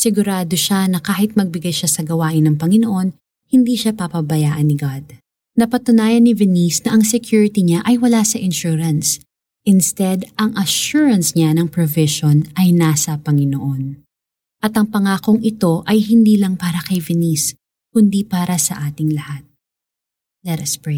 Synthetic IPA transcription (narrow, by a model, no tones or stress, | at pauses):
sɪɡʊɾaːd̪oʃanɐkaːhɪt̪̚mɐɡ̚bɪɡajʃasɐɡɐwaːʔɪnːɐŋpɐŋɪnoʔo̞n | hɪnd̪iːʃapɐpɐbɐjaːʔɐnɪɡad̪̚ | nɐpɐt̪ʊnaːjɐnːɪvɛnisnɐʔɐŋsɛkjuːɹɪt̪iɲaʔɐjwɐlasɐʔɪnʃuɾɐns | ʔɪnst̪ɛd̪ʔɐŋʔɐʃuɹɐnsɲanɐŋpɹovɪʃonʔɐjnaːsɐpɐŋɪnoʔo̞n | ʔɐt̪ɐŋpɐŋaːkoŋʔɪt̪o̞ʔɐjɦɪnd̪iːlɐŋpaːɾɐkɐjvɛnis | kʊnd̪ipaːɾɐsɐʔaːt̪ɪŋlɐhat̪̚ | lɛt̪ɐspɹe